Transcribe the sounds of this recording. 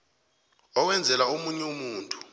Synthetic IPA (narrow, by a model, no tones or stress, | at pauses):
ɔwɛnd͡zʱɛlaomuɲɛumuːntʼu̥